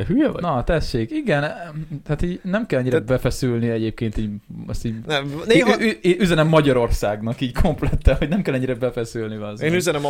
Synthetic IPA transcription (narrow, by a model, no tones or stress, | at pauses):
ɦyjɛ̰nɒt̪ɛʃːeːkiɡɛnt̪aːt̪iːɟnɛmkɛlɛɲːiɾbbɛfɛsylniɛɟeːp̚keːnt̪iːɟ̰st̪iːnɛmneːɦɒyeːʔyzɛnɛmːɒɟɒɾo̞rsaːɡnɒkiːɟckʰo̞mplɛt̪ːɛnho̞ɟnɛmkɛlɛɲːiɾɛbɛfɛsylniɒzeːnyzɛnɛm